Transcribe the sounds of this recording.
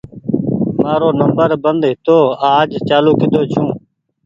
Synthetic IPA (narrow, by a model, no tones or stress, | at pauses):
maːɾoːnəmbəɾbənd̪ɦɪt̪oːaːd͡ʒt͡ʃaːluːkʰɪd̪oːt͡ʃʰũː